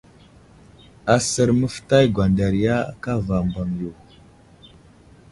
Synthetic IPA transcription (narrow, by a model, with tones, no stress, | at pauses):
a˨sə˨ɾmə˦fta˦jɡwa˨nda˨ɾi˨ja˦a̰˨ka˦va˨mba˨ŋju˨